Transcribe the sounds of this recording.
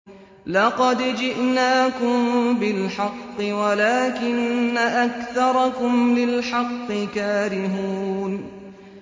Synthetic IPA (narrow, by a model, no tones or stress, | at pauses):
lɑqɑd̪d͡ʒɪʔnaːkʊmbɪlħɑqːɨwalaːkɪnːaʔakθɑɾˤɑkʊmlɪlħɑqːɨkaːɾɪɦuːn